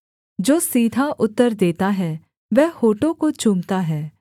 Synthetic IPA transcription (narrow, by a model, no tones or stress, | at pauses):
d͡ʒoːsiːd̪ʱaʔʊt̪ːəɾd̪eːt̪aɦɛː | ʋɛɦhoːʈõkot͡ʃʊmt̪aɦɛː